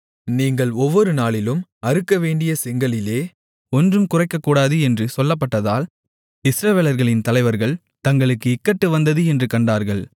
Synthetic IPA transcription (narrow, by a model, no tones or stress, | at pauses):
niːŋɡɐɭɔʋːɔɾɯnaːɭɪlɯmɐɾɯkːɐʋeːɳɖɪjɐsɛŋɡɐɭɪleː | ɔndrɯmkʊrɐɪkːɐkːuːɽaːðɯɛndrɯsɔlːɐp̬ːɐʈːɐðaːl | ɪsɾɐʋeːlɐɾɣɐɭɪnt̪ɐlɐɪʋɐɾɣɐɭ | t̪ɐŋɡɐɭɯkːɯɪkːɐʈːɯʋɐnd̪ɐðɯɛndrɯkɐɳɖaːɾɣɐɭ